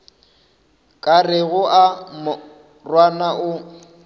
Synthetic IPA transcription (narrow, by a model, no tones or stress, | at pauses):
kʼarɪɣʊʔam | rwanaʔʊ